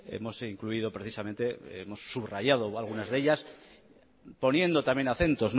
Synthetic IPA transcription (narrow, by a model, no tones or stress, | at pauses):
ḛmo̞siŋkluið̞o̞pɾeθisamẽ̞nt̪e̞emo̞sːuβraʝað̞oalɣ̞unazðe̞ʎas | po̞nje̞nd̪o̞t̪amje̞naθe̞nt̪o̞zn